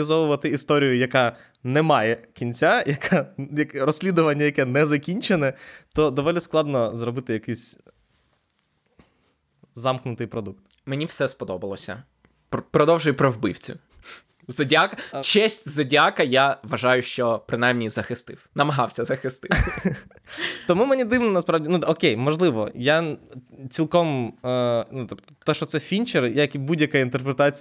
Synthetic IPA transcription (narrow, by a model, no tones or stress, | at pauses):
ɪzɔʋʊʋɐt̪ɪist̪ɔɾʲijʊjɐkɑ | nɛmɑjɛkʲinʲt͡sʲajɐkʰɑjɐkrɔsʲlʲid̪ʊʋɐnʲːɐjɐkɛnɛzɐkʲinʲt͡ʃenɛt̪ɔd̪ɔʋɔlʲisklˠɑd̪nɔzrɔbɪt̪ɪjɐkɪjsʲ | zɑmxnʊt̪ɪjpɾɔd̪ukt̪ | menʲiwsɛspɔd̪ɔbɐlˠɔsʲɐ̰ | ppɾɔd̪ɔwʒʊjpɾɔwbɪ̰wt͡sʲʊ | zɔdʲakɐt͡ʃɛsʲtʲzɔdʲakɐjaʋɐʒɑjʊʃt͡ʃɔpɾɪnajmnʲizɐxɪst̪ɪwnɐmɐɦɑwsʲɐzɐxɪst̪ɪ | t̪ɔmumenʲid̪ɪʋnɔnɐspɾɑʋdʲinuɔkʲejmɔʒlˠɪʋɔ̰ja | t͡sʲilˠkɔm | nut̪ɔpt̪ɔ̥t̪ɔʃɔt̪sɛfʲinʲt͡ʃɛrjɐɐkibudʲjɐkaint̪erpɾet̪at͡sʲ